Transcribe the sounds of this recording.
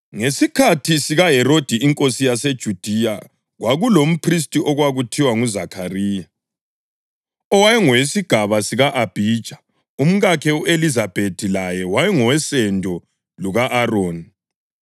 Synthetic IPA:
ŋesikʰatʰisiɣaɦɛɾod̥ʱiiŋkʼosijased̥ʒ̥ʱud̥ʱija | ɣwʔaɣulom̩pʰris̬tʼiʔɔɣwaɣutʰiwaŋuzakʰariːja | ɔwajɛŋɔwesiɡ̥ʱaβasiɣaʔab̥ʱiːd̥ʒ̥ʱḁ | um̩ɣakʰɛuelizab̥ʱetʰilajɛwajɛŋɔwɛsɛndʱɔ | luɣaʔaroːni

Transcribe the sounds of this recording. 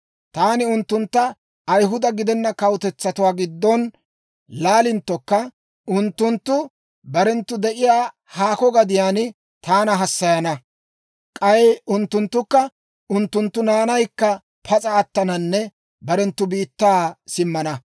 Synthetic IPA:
t̪aːnɪʊnt̪ːʊnt̪ːɐː | jɦʊd̪ɐɡɪd̪ɛnːɐkɐwt̪ɛt͡sːɐt̪ʊwaːɡɪd̪ːɔn | laːlɪnt̪ːɔkːɐ | ʊnt̪ːʊnt̪ːʊ | bɐɾɛnt̪ːʊd̪ɛʔɪjaː | haːkɔɡɐd̪ɪjaːn | t̪aːnɐɦɐsːɐjɐnɐ | kʼɐjʊnt̪ːʊnt̪ːʊkːɐ | ʊnt̪ːʊnt̪ːʊnaːnɐjkːɐ | pʰɐt͡sʼɐːt̪ːɐnɐnːɛ | bɐɾɛnt̪ːʊbiːt̪ːaːsɪmːɐnɐ

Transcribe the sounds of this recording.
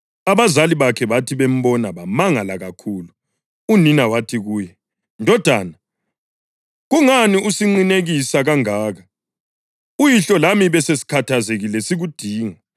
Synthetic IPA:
aβazaliβakʰɛβatʰiβem̩βɔnaβamaŋalaɣakʰuːlu | uninawatʰiɣuːjɛ | ndʱɔd̥ʱwa̰ːna | ɣuŋaniusiŋ͡ǀineɣisaɣaŋaːɣa | ujiɬɔlamiβɛsesi̥kʰatʰazeɣilɛsiɣud̥ʱiːŋa

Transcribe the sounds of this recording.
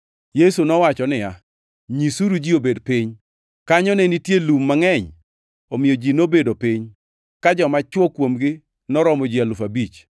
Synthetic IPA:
jesunɔwat͡ʃɔnɪja | ɲisuɾud͡ʒiobedpɪɲ | kaɲɔnenitjelumːaŋɛɲ | omɪjod͡ʒinobedopɪɲ | kad͡ʒɔmat͡ʃwɔkwomɡɪ | nɔɾɔmɔd͡ʒialʊfabit͡ʃ

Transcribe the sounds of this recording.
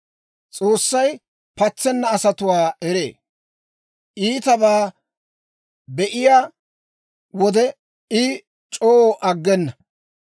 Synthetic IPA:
t͡sʼo̞ːsːɐj | pɐt͡sːɛnːɐːsɐt̪ʊwaːɛɾeː | ʔiːt̪ɐbaː | bɛʔɪjaː | wɔd̪ɛ | ɪ | t͡ʃʼoːoʔɐɡːɛnːɐ

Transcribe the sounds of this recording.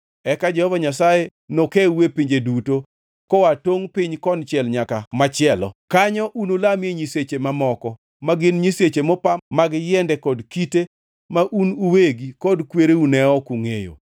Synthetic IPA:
ɛkad͡ʒɛhɔvaɲasaje | nokeuwepiɲd͡ʒeduto | kɔwatoŋpɪɲkɔnt͡ʃɪɛlɲakamat͡ʃɪɛlɔ̰kaɲɔʔunulameɲiset͡ʃemamɔkɔ | maɡɪnɲiset͡ʃemɔpamaɡjɛndɛkɔdkite | maʔunuweɡikɔdkweɾeunɛɔkuŋejo̰

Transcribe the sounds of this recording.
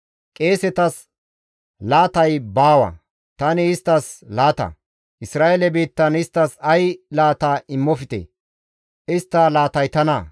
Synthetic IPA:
kʼe̞ːsɛt̪ɐs | laːt̪ɐjbaːwɐ̰ | t̪ɐnɪːst̪ːɐslaːt̪ɐ̰ | ʔɪsɾaːelɛbiːt̪ːɐnɪst̪ːɐsɐjlaːt̪aːɪmːɔfɪt̪ɛ̰ | ɪst̪ːɐlaːt̪ɐjt̪ɐnɐ

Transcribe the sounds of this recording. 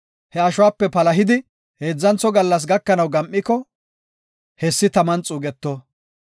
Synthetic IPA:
hɛɐʃʊwaːpːɛpɐlɐɦɪd̪ɪ | he̞ːd͡zːɐnt͡sːɔɡɐlːɐs̬ɡɐkːɐnɐwɡɐmʔːɪkɔ | hɛsːɪt̪ɐmɐnt͡sʼuːɡɛt̪ːɔ

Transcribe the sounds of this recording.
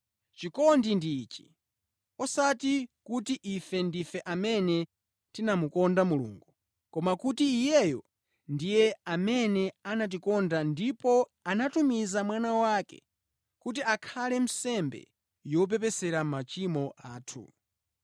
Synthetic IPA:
t͡ʃikɔndindit͡ʃi̥ | ɔsatikutiʔifɛndifɛʔamɛnɛ | tinamukɔndamulṵŋɡu | kɔmakutiːjɛjɔ | ndijɛamɛnɛanat̬ikɔndandipɔanatumizamwanawakɛ̰ | kut̬iakʰalɛm̩sɛmbɛ̰ | jɔp̬ɛpɛsɛɾamat͡ʃimɔʔaːtʰṵ

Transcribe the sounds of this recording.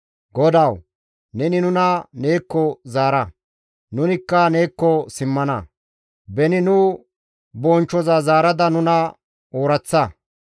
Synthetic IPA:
ɡɔd̪ɐw | nɛnɪnʊnɐneːkːɔzaːɾɐ | nʊnɪkːɐneːkːɔsɪmːɐnɐ | bɛnɪnʊ | bɔːnt͡ʃːɔzazaːɾɐd̪ɐnʊnɐ | oːɾɐt͡sːɐ

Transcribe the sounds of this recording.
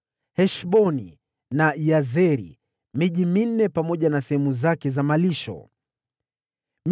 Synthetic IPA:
hɛʃɓɔnḭ | naijazɛɾḭ | miʄimin̩ːɛpamɔʄanasɛhɛmuzakɛzamaliʃɔ̰ | m

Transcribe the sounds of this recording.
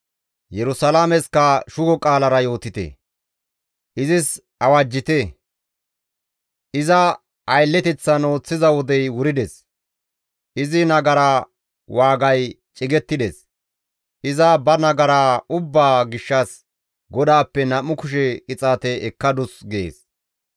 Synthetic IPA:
jɛɾʊsɐlaːmɛskɐʃʊɡɔkʼaːlɐɾɐjo̞ːt̪ɪt̪ɛ̰ | ʔɪzɪs | ɐwad͡ʒːɪt̪ɛ | ʔɪzɐ | ʔɐjlːɛt̪ɛt͡sːɐno̞ːt͡sːɪzɐwɔd̪ɛjwʊɾɪd̪ɛs | ʔɪzɪnɐɡɐɾa | waːɡɐj | t͡ʃʼɪɡɛt̪ːɪd̪ɛs | ʔɪzɐbɐnɐɡɐɾaʊbːaːɡɪʃːɐs | ɡɔd̪aːpːɛnɐmːʊkʊʃ̬ɛkʼɪt͡sʼaːt̪ɛɛkːɐd̪ʊsɡḛːs

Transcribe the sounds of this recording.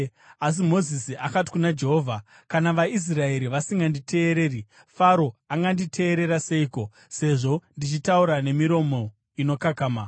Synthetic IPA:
as̬imo̞zisiʔakati̥kunad͡ʒe̞ɦo̞ːvʱa | kanaʋais̬rae̞ɾiʋasiŋɡandite̞ːɾe̞ːri | faɾo̞aŋɡanditʰe̞ːɾe̞ɾase̞iko̞ | se̞ʐo̞ndit͡ʃitauɾane̞miɾo̞mo̞ | ino̞kakaːma

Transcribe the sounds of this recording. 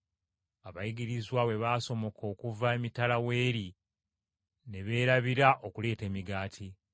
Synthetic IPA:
aβajiɡiɾizwawe̞βaːso̞mo̞kʰo̞ːkuvaemitalawe̞ːɾi | ne̞βe̞ːɾaβiɾaʔo̞kule̞ːte̞ːmiɡaːtʰi

